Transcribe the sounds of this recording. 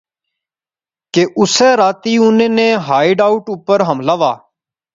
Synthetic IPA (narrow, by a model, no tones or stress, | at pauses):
keːʔʊsɛːɾaːt̪iːʊnẽːnẽːɦaːɪɖaːʊʈʊpəɾɦəmlaːʋa̰ː